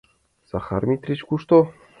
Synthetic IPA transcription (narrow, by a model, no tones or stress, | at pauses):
z̥aχa̰rmʲit̪ʲrʲit͡ɕkuʂt̪o